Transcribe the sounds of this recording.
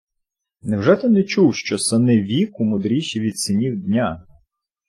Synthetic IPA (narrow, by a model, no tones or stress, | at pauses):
nɛwʒɛt̪ɪnɛt͡ʃuwʃt͡ʃɔsɐnɪʋʲikumʊd̪ɾʲiʃiʋʲid̪sɪnʲiwd̪ʲnʲa